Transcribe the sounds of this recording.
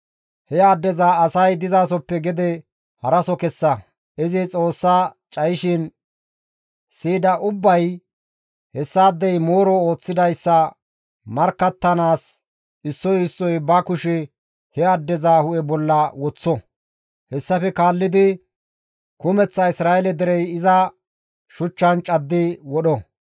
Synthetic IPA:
hɛaːd̪ːɛzaːɐsɐjd̪ɪzaːsɔpːɛɡɛd̪ɛ | hɐɾɐsɔkɛsːɐ | ʔɪzɪt͡sʼo̞ːsːaː | t͡ʃʼɐjʃɪn | siːd̪ɐʔʊbːɐj | hɛsːaːd̪ːɛjmo̞ːɾɔo̞ːt͡sːɪd̪ɐjsːɐ | mɐɾkːɐt̪ːɐnaːs | ɪsːɔjɪsːɔjbɐkʊʃɛ | hɛɐd̪ːɛzaːhʊʔɛbɔlːɐwɔt͡sːɔ | hɛsːɐfɛkaːlːɪd̪ɪ | kʊmɛt͡sːɐɪsɾaːjɛlɛd̪ɛɾɛjɪzɐ | ʃʊt͡ʃːɐnt͡ʃʼɐd̪ːɪwɔɗɔ

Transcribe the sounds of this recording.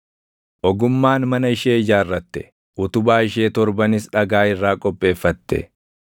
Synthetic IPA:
ʔɔɡʊmːaːnmɐnɐɪʃeːɪd͡ʒaːrːɐt̪ːɛ̥ | ʔʊt̪ʊbaːɪʃe̞ːt̪ɔɾbɐnɪsᶑɐɡaːɪrːaːkʼɔpʼːe̞ːfːɐt̪ːɛ̰

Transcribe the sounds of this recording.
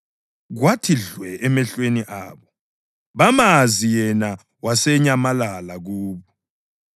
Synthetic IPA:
ɣwatʰiɮwɛʔɛmɛɬweniʔaːβɔ | βamazijɛna | wasɛɲamalalaɣuːβɔ

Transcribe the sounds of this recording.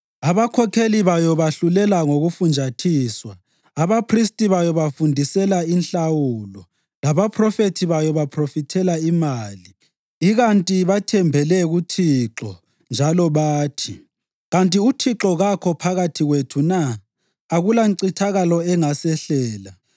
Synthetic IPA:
aβakʰɔkʰeliβajɔβaɬulɛlaŋoɣufund͡ʒʱatʰiːswaː | βapʰristʼiβajɔβafundʱisɛlainɬawulɔ | laβapʰrɔfetʰiβajɔβapʰrofitʰɛlaimaːliː | ɣantʼiβatʰɛmbʱɛlɛɣutʰiǁɔ | nd͡ʒʱalɔβaːtʰi | ɣantʼiutʰiǁɔɣakʰɔpʰaɣatʰiɣwetʰunaː | ɣulaǀitʰaɣalɔɛŋasɛɬɛːla

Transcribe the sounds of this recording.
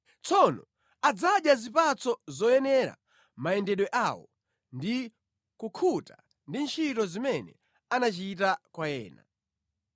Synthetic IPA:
t͡sʰɔnɔ | ad͡zaɗjazipat͡sɔzɔjɛnɛɾa̰ | maɛndɛɗwɛʔawɔ̰ | ndi | kukʰuta | ndint͡ʃʰitɔzimɛnɛ̰ | anat͡ʃitakwajɛ̰ːna̰

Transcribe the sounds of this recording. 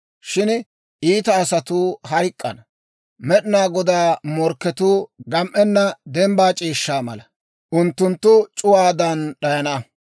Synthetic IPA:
ʃɪn | ʔiːt̪ɐːsɐt̪uːhɐjkʼːɐ̰nɐ | mɛɗɪnaːɡɔd̪aːmɔɾkːɛt̪uːɡɐmʔɛnːɐd̪ɛmbaːt͡ʃʼiːʃːaːmɐ̰lɐ | ʔʊnt̪ːʊnt̪ːʊt͡ʃʼʊwaːd̪ɐnɗɐjɐnɐ

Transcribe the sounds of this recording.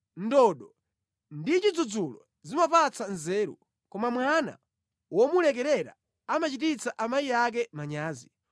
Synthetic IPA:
ndɔɗɔ | ndit͡ʃid͡zud͡zulɔ | zimapat͡sanzɛːɾṵ | kɔmamwana̰ | wɔmulɛkɛɾɛɾa̰ | amat͡ʃitit͡saʔamajijak̬ɛmaɲaːzi

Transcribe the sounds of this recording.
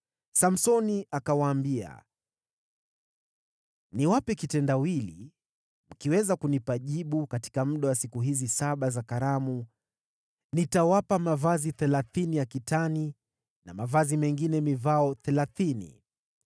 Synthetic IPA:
sam̩sɔniakawaːmbia̰ | niwapɛkitɛndawili | m̩kiwɛzakunipaʄiɓukati̥kam̩ɗawasikuɦizisaɓazakaɾamu | nitawapamavaziθɛlaθinijakitani | namavazimɛŋɡinɛmivaɔθɛlaθinḭ

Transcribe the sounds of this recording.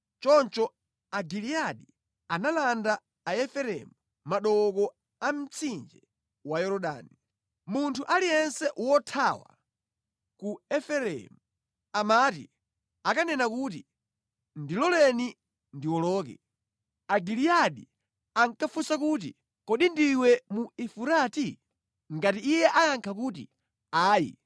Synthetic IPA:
t͡ʃɔnt͡ʃɔ | aɡiliaɗi | analanda | aɛfɛɾɛ̰mu | maɗɔkɔ | am̩t͡sʰind͡ʒɛ | wajɔɾɔɗa̰ːni | muntʰuʔalijɛnsɛʔwɔtʰawa̰ | kuɛfɛɾɛ̰mu | amaːtḭ | akanɛnakut̬i | ndilɔlɛni | ndiwɔlɔːk̬ɛ̰ | aɡilijaɗi | aŋ̩kafusakuːt̬ḭ | kɔɗindiwɛmuifuɾati | ŋɡatiːjɛʔajaŋkʰak̬utḭ | aːjḭ

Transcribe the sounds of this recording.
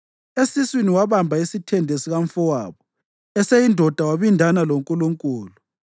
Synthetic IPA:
esiswiniwaβambʱaisitʰɛndʱesiɣaɱfɔwaːβɔ | ɛsejindʱɔd̥ʱawaβindʱanaloŋkʼuluŋkʼuːlu

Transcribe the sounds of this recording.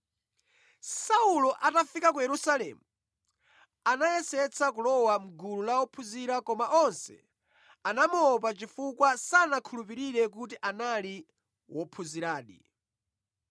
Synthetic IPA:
saulɔʔatafikak̬ujɛɾusalɛ̰ːmu | anajɛsɛt͡sʰakulɔwam̩ɡululawɔpʰuziɾakɔmaʔɔnsɛ̰ | anamɔp̬at͡ʃifukwasanakʰulupiɾiɾɛk̬utiʔanali | wʔɔpʰuziɾaːɗḭ

